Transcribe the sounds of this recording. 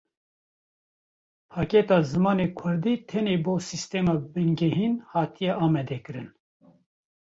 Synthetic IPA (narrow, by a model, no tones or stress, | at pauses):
pʰɑːket̪ɑːzɨmɑːneːkʰʊɾd̪iːt̪ʰɛneːboːsist̪eːmɑːbɨnɡɛɦiːnhɑːt̪ʰijɛʔɑːmɛd̪ɛkɨɾɨn